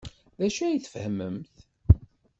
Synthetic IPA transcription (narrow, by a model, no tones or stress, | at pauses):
ðæʃæjiθfhəməmθ